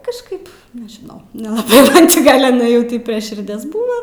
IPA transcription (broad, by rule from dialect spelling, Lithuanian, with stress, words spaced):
kɐʃˈkɐɪp nʲɛʒʲɪˈnɐʊ nʲɛlˠɐˈbɐɪ ˈmɐn t͡ʃʲɪ ˈɡɐlʲ ɪˈnɐɪ ˈtʲiː pʲrʲiɛ ʃʲɪrʲˈdʲiɛs ˈbuːʋoː